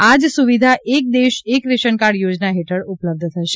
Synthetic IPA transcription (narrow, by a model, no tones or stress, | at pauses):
ad͡ʒsuʋid̪ʱaʔʔek̚d̪eʃekɾeʃənkaɾɽjod͡ʒnaɦeʈʰəɾupləb̚d̪ʱt̪ʰəʃe